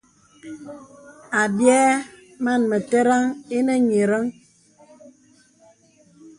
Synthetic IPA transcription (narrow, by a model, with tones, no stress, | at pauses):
a˨bjɛ˦ | ma˦˨nmə˨te˦ɾa˦ŋe˦nə˦ɲe˨ɾə˦ŋ